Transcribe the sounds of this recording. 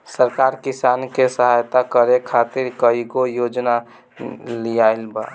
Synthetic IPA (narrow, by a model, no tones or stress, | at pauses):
səɾkaɾkisankesəɦajt̪akəɾekʰat̪iɾkəiɡojod͡ʒna | lijaɪlba̰